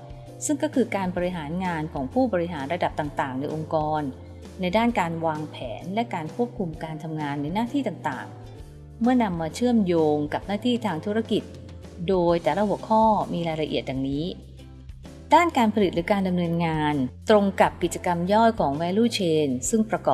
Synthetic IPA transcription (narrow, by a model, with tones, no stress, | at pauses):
sɯ˥˩ŋkɔː˥˩kʰɯː˧kaː˧nbɔː˧ɾi˧ɦaː˩˦nŋaː˧nkʰɔː˩˦ŋpʰuː˥˩bɔː˧ɾi˦˥ɦaː˩˦nɾa˧da˨˩p̚t̪aː˨˩ŋt̪aː˨˩ŋna˧jʔo˧ŋkɔː˧nː | a˧jdaː˥˩nkaː˧nwaː˧ŋpʰɛː˩˦nlɛ˦˥kaː˧nkʰu˥˩əp̚kʰu˧mkaː˧nt̪ʰa˧mŋaː˧nːa˧jnaː˥˩t̪ʰiː˥˩t̪aː˨˩ŋt̪a̰ː˨˩ŋ | mɯ˥˩ɐna˧mːaː˧t͡ɕʰɯ˥˩əmjoː˧ŋka˨˩p̚naː˥˩t̪ʰiː˥˩t̪ʰaː˧ŋt̪ʰu˦˥ɾa˥˩ki˨˩t̪̚ | doː˧jt̪ɛː˨˩la˦˥hu˩˦əkʰɔː˥˩miː˧ɾaː˧jɾa˧ʔḭ˨˩ət̪̚dja˨˩ŋniː˦˥ | daː˥˩nkaː˧npʰa˧li˨˩t̪̚ɾɯː˩˦kaː˧nda˧mnɤː˧nŋaː˧nt̪ɾo˧ŋka˨˩p̚ki˨˩t̪̚t͡ɕa˧ka˧mjɔː˥˩jkʰɔː˩˦ŋwɛː˧˥luː˥˩t͡ɕʰeː˧nsɯ˥˩ŋpɾa˧kɔː˨˩